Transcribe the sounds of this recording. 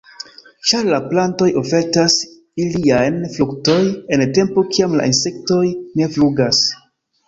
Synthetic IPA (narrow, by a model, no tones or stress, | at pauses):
t͡ʃaɾlaplanto̞jo̞fe̞ɾtas | iliajnflukto̞je̞nte̞mpo̞kiamla̰ʔinse̞kto̞jne̞fluɡas